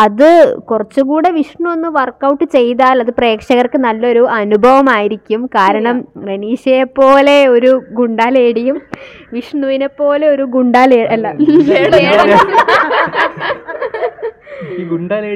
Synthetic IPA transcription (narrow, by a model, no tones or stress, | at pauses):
ɐðɨkurɐt͡ɕːuɣuːɽe̞ʋiʂɳuo̞nːuʋɐrkːɐwʈːɨt͡ɕe̞jt̪aːlɐðɨpre̞ːkʂɐɣɐrkɨnɐlːo̞ɾuɐnubʱɐʋɐmaːjiɾikʲːumkaːɾɐɳɐmreniːɕɐjepːo̞ːle̞o̞ɾuɡuɳɖaːleːɽijum | ʋiʂɳuʋinepːo̞ːle̞o̞ɾuɡuɳɖaːleːɐlːɐeːɽɐɐ | ɡuɳɖaːle